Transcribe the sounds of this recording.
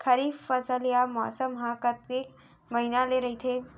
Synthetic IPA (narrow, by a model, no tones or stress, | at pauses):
kʰəɾiːffəsəlijamɔ̰ːsəmɦãkət̪eːk | məɦinaleɾəɦit̪ʰe